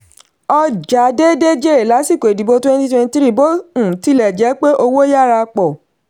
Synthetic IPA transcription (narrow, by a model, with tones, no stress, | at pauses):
ɔ˧d͡ʒa˨˦de˦de˦d͡ʒe˦e˨la˨˦si˦˨ko˨e˨di˨bo˧twɛ̃˦nti˦twɛ̃˧ni˧tɾi˦˨bo˦ũ˦˨ti˨˦lɛ˦˨d͡ʒɛ˨˦k͡pe˦ʔo˧wo˦ja˦˨ɾa˧k͡pɔ˨